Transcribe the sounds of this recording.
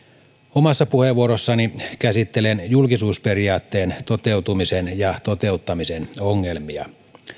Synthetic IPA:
omɑsːɑpuheʋːuoɾosːɑnikæsit̪ːelenjulkisuːsperiɑːt̪ːeːnt̪ot̪euwt̪umisenjɑt̪ot̪e̞ut̪ːɑmisenoŋːelmiɑ̰

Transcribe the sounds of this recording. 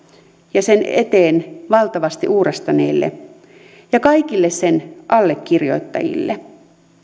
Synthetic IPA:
jɑsenet̪eːnʋɑlt̪ɑʋɑst̪ḭʔuːrest̪ɑnḛːlːḛ | jɑkɑikilːessenʔɑlːekːirjo̞̰it̪ːɑ̰jḭlːe

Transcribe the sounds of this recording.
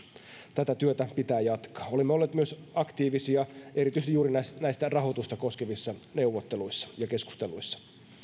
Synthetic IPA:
t̪æt̪æt̪yøt̪æpit̪æːjɑt̪kɑ̥ːo̞limːeolːeːt̪myøsɑkt̪iːʋisiɑʔe̞ɾit̪yist̪ijuːɾinæsnæjst̪ærɑɦo̞t̪ust̪ɑko̞skeʋisːɑneuʋːot̪ːeluisːɑ̥jɑke̞sku̥st̪eluisːɑ̥

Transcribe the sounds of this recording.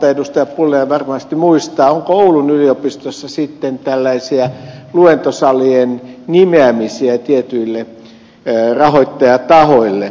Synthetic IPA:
t̪edust̪ɑjɑpulːejɑʋɑrmɑst̪imuist̪ɑːoŋkooulunyliopist̪osːɑsit̪ːent̪ælːæisiæluent̪osɑliennimeæmisiæt̪iet̪yilːe | rɑhoit̪ːɑjɑt̪ɑhoilːe

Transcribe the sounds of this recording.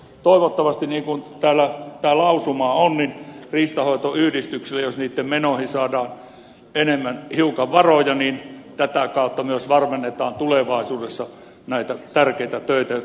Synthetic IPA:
t̪oˑiʋot̪ːɑʋɑst̪iniːŋkunt̪æːlːˑæt̪æːlɑusumɑːonninriːst̪ɑhoˑit̪oyːdist̪ykselːæjosniːt̪ːemmenohisɑːdɑːn | enemːænhiukɑʋʋɑrojɑniːnt̪æt̪ækɑˑut̪ːɑmyøsʋɑrmenːet̪ɑːnt̪uleʋɑˑisuːdesːɑ | næit̪æt̪ærkeit̪æt̪øˑit̪æ

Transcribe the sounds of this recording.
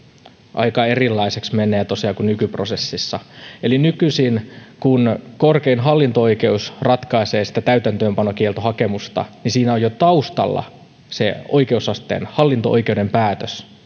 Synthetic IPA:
ʔɑ̰ikɑerilːɑiseksmenːˑeːt̪osiɑːkunnykyprosesːisːɑelinykysinkunkorkeinɦɑlːint̪ooikeusrɑt̪kɑiseːsi̥t̪æt̪æyt̪ænt̪øːmpɑnokielt̪oɦhɑkemust̪ɑ̰nisiːnæojot̪ɑust̪ɑ̰lːɑ̰ | sḛoikeusɑst̪ḛnhɑlːint̪oʔojkeudempæːt̪øs

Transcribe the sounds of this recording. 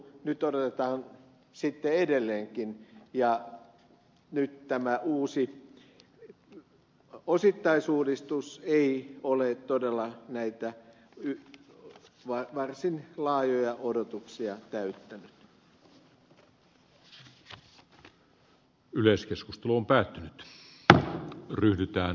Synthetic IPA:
nyt̪odot̪et̪ɑːn | sit̪ːeedelːeːŋkinjɑ | nyt̪t̪æmæʔuːsi | osit̪ːɑisuːdist̪useiolet̪t̪ːodelːɑnæit̪æ | y | ʋɑʋɑrsinlɑːjojɑʔodot̪uksiɑt̪æyt̪ːænyt̪ | yleskeskust̪eluompæːt̪ːynyt̪ | ryhdyt̪æː

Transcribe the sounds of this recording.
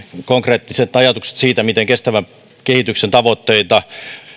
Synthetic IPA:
koŋkreːt̪ːiset̪ɑjɑt̪ukse̥t̪siːt̪æmit̪eŋkest̪æʋæ | kehit̪yksent̪ɑʋot̪ːeit̪ɑ

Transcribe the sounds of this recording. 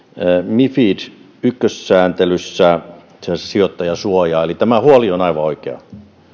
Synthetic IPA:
mifid | ykːøssæːnt̪elysːæ | sssiot̪ːɑjɑsuojɑːelit̪æmæhuolionɑiʋɑoikeɑ̰

